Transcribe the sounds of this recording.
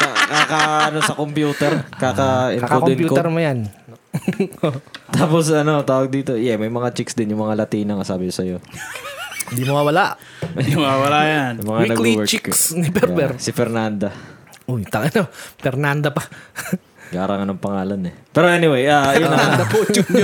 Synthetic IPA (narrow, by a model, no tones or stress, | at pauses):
kakakɐɐnosɐkompjuːt̪ɛɾkaːkɐʔɪnakokoɪnpj̪uːkoɛɾmojan | ot̪aːposɐno̞t̪aːwɐɡ̚d̪iːt̪ojɛmɐjmɐŋat͡ʃɪksd̪ɪnjʊŋmɐŋalɐt̪iːnɐŋɐsaːbɪkʊsɐjo̞ | nd̪imɐwawɐlaʔ | mɐawɐlajanjʊŋmɐŋaɐklɡwɛt͡ʃɪksnɪbɛbɛɾsɪfɛɾnand̪ɐ | ʔojt̪ɐŋɐnofɛɾnand̪ɐpɐ | ɡaːɾaŋɐnoŋpɐŋaːlɐnɛpɛːɾoʔɛnɪwejajʊad̪ɐpot͡ʃʊ